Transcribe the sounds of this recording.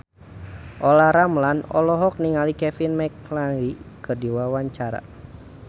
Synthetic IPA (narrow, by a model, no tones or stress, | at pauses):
ʔɔlaɾamlanɔ̰lɔɦɔk̚niŋalikɛfinmɛklalikɨrdiwawaɲt͡ʃaɾa̰